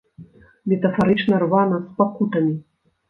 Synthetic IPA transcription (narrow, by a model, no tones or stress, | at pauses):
mʲɛt̪ɐfaɾɨt͡ʂnɐrvanɐspakut̪ɐmʲi